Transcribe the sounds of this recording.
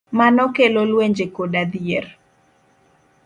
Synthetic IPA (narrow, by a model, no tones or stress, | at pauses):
manɔkelolweɲd͡ʒekoɗad̪ier